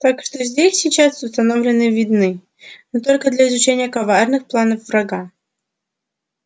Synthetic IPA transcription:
t̪akʂt̪ozʲdʲesʲsʲɪt͡ɕasʊst̪ɐnovlʲɪnɨvʲɪd̪nɨ | nɨt̪olʲkəd̪lʲɐɪzʊt͡ɕenʲɪjəkɐvarnɨxplˠanəfvrɐɡa

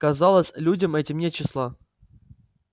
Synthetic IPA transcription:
kɐzalˠəsʲlʲudʲəmɛtʲɪmnʲet͡ɕɪslˠa

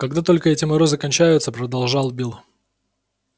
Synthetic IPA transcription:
kɐɡd̪at̪o̞lʲkəɛtʲɪmɐɾo̞zɨkɐnʲt͡ɕæjʊt̪səpɾəd̪ɐlˠʐɑlˠbʲilˠ

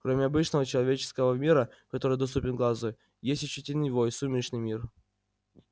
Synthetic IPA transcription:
kɾomʲɪɐbɨt͡ɕnəvət͡ɕɪlˠɐvʲet͡ɕɪ̥skəvəmʲiɾəkɐt̪o̞ɾɨjd̪ɐst̪upʲɪnɡlˠazoj | jesʲtʲʊt͡ɕitʲɪlʲnɨjvojsumʲɪʂnɨjmʲir

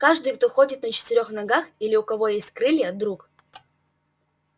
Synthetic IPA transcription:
kaʐd̪ɨjkt̪oxo̞dʲɪt̪nət͡ɕɪ̥t̪ɪɾʲo̞xnɐɡaxilʲɪʊkɐvo̞jesʲtʲkɾɨlʲjəd̪ɾuk

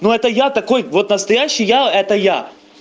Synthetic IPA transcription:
nuɛt̪əjat̪ɐko̞jvo̞t̪nəst̪ɐjæɕːɪjjaɛt̪əja

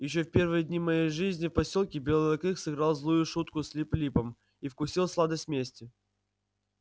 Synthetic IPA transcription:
jɪɕ̬ːofpʲe̞rvɨjəd̪ʲnʲimɐjejʐɨzʲnʲɪfpɐsʲolˠkʲɪbʲelˠəɐkɨxsɨɡɾalˠzlˠujʊʂut̪kʊsʲlʲiplʲipəm | ifkʊsʲilˠslˠad̪əsʲt̪ʲmʲesʲtʲɪ

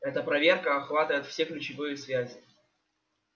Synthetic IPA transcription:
ɛt̪əpɾɐvʲe̞rkəɐxvat̪əvəɪt̪fsʲeklʲʉt͡ɕɪvɨjɪsvʲæzʲɪ

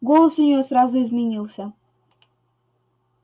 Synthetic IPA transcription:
ɡolˠəsʊnʲjosɾɑzʊɪzmʲɪnʲilˠsʲə

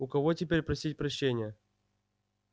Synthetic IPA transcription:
ʊkɐvotʲɪpʲeɾʲpɾɐsʲitʲpɾɐɕːenʲɪjə

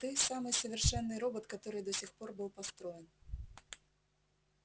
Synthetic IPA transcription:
t̪ɨjsamɨjsɐvʲɪrʂɛnːɨɾɔbɐt̪kat̪ɔɾɨjd̪ɔsʲixpɔrbɨw̪ˠpast̪ɾɔjɛn

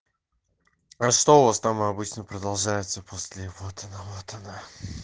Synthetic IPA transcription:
aʂt̪oʊvast̪amɨɐbɨt͡ɕnəpɾəd̪ɐlˠʐajɪt̪səpʰosʲlʲɪvot̪ʰənəvot̪ʰɐna

